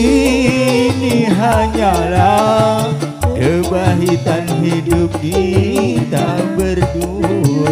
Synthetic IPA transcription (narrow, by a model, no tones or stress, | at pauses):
i | niɦaɲala | kəbaɦit̪anɦidup̚kit̪abərt̪u